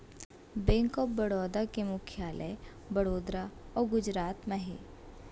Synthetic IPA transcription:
bɛ̃ːŋkɔːpbɐɽɔːd̪akemʊkʰjaːlʔə̰ | bɐɽoːd̪ɾaɔːɾɡʊd͡ʒɾaːt̪mɐɦḛ

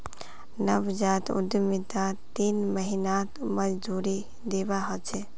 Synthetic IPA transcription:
nəʋd͡ʒaːt̪ṵd̪jəmit̪at̪inməɦinat̪məd͡ʒd̪uɾi | d̪ebaɦɔt͡ʃʰɛ

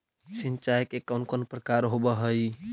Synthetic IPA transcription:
sint͡ʃajkekənkonpɾəkaɾɦobəɦəj

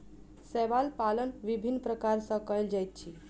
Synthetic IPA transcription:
sɛʋalpalənʋibʱinːpɾəkaɾsə̃kəjld͡ʒajt̪̚t͡ʃʰi

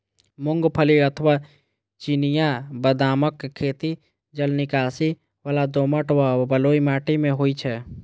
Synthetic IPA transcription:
mʊŋɡpʰəliət̪ʰəʋa | t͡ʃinijabəd̪aːməkʰːeːt̪i | d͡ʒəlnikaːsi | ʋalad̪oməʈwabəloːimaːʈimẽɦoit͡ʃʰɛ

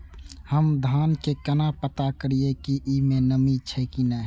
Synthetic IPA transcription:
həmd̪ʱaːnkekənapət̪akəɾiekiʔimẽnəmit͡ʃʰəkina

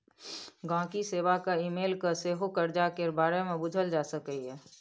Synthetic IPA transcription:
ɡãːkiseːʋakaimeːlkəseːɦokəɾd͡ʒakebaːɾemẽbʊd͡ʒʱəld͡ʒaːsəkəiɦɛː

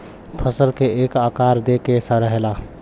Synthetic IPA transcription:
pʰəsəlkeekakaɾd̪ekesəɾəɦela

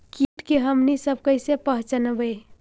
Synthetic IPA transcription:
kiʈkeɦəmnisəb̚ʱkəɪsepəɦt͡ʃənbəj

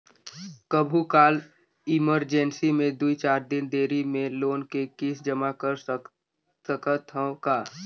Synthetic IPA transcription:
kəbʱukaːl | ɪməɾd͡ʒɛnsimẽd̪uit͡ʃaːɾd̪ɪnd̪eːɾimẽloːnkekɪsd͡ʒəmakəɾ | səkət̪əkaː

